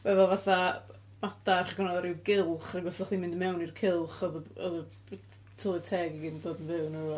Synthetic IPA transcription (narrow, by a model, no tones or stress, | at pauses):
vɛvɛlˠvaθa | mataχəɡɔnɔðaɾɪwɡɪlˠχaɡɔsɔχðimɪ̃ndəmɛwnirkʰɪlˠχɔðəɔðə | tʰɔlˠɨtʰɛːɡiɡiːdndoːdənvɪwnu